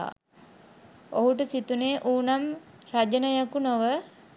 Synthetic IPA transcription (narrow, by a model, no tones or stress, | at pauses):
o̰ɦuʈəsit̪uneːʔuːnam | rad͡ʒənəjakunoʋə